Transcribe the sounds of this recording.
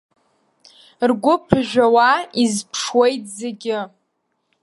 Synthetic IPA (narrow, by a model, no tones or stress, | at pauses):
rɡʷʊpʰʒᶣʷawaizpʰʂwe̞jtʰʼzeɡʲɪ